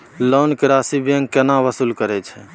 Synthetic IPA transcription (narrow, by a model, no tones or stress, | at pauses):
lonkeɾasibjəŋɡkɛnaʋəsulkəɾɛt͡ʃʰɛ